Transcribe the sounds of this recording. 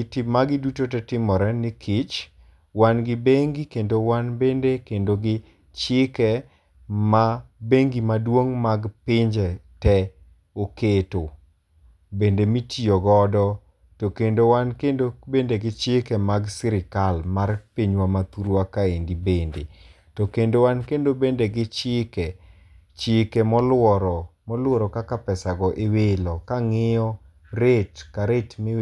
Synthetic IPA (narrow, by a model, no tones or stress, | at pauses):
tɪmaɡɪdutotɛtɪmɔɾɛnɪkʰɪt͡ʃ | wanɡɪbeŋɡikendowanbendekendoɡɪ | t͡ʃɪkɛ | mabeŋɡimadwoŋmaɡpɪɲd͡ʒɛtɛ | oketo | bendemitʰioɡɔdɔ | tokendowankendobendeɡɪt͡ʃɪkɛmaɡsɪɾɪkalmarpiɲwamat̪uɾwakaendibende | tokendowankendobendeɡɪt͡ʃɪkɛ | t͡ʃɪkemɔlwɔɾɔmɔlwɔɾɔkakapɛsaɡɔʔewelɔkaŋɪjɔ | ɾetkaɾetmi